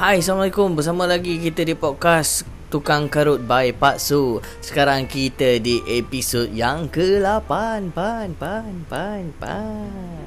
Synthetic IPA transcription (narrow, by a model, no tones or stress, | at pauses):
hajsaamlikʊmbərs̬amə̃laɡikit̪ədipɔt̪̚kas | t̪ukaŋkəɾʊt̪̚bajpat̪su | sə̥kaɾaŋkit̪ədiʔepisot̪̚jaŋkəlapanpanpanpanpa̰n